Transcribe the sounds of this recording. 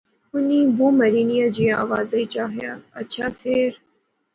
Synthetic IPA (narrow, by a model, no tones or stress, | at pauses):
ʊniːboːmɐɾiːnijad͡ʑiːaːʋaːzait͡ʃaːɦijaːɐtːʃʰaːfɪɾ